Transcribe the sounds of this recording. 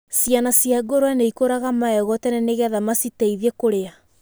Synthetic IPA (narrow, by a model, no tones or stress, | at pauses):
sianasjaɡoɾoaneikoɾaɣamaɛɣɔtɛnɛneɣɛðamasitaiðɛkoɾea